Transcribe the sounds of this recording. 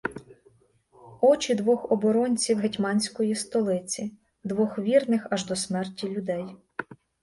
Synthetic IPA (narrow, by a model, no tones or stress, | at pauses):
ɔt͡ʃid̪ʋɔxɔbɔɾɔnʲt͡sʲiwɦetʲmɑnʲsʲkɔjist̪ɔlˠɪt͡sʲi | d̪ʋɔxʋʲirnɪxɑʒd̪ɔsmɛrtʲilʲʊd̪ɛj